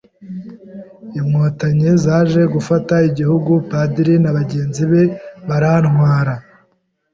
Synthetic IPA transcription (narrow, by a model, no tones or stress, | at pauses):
imŋotaɲezaːʒe̞ɡufataiɟihuɡupadiɾinaβaɟe̞ːnziβe̞βaɾanhwaːɾa